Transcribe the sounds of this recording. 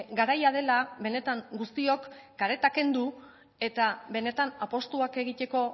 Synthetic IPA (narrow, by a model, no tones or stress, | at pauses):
ɡaɾajað̞e̞laβe̞ne̞t̪aŋɡust̪io̞kːaɾe̞t̪ake̞nd̪u | e̞t̪aβe̞ne̞t̪anapo̞st̪uake̞ɣ̞it̪e̞ko̞